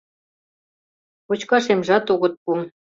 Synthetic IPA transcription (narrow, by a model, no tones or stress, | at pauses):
pot͡ɕkɑʃemʒɑt̪oɣə̆t̪̚pu